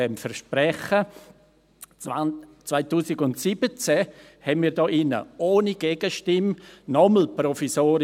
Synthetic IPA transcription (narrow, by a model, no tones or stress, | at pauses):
ɛmfɛɾʃpɾɛχə | t͡svaɪtuːsɪɡʊntsibət͡sɛ | hɛnmiːɾdɔːʔɪnə̰ʔoːniɡ̥eːɡ̥əʃtɪmnɔml̩prɔfisoːɾ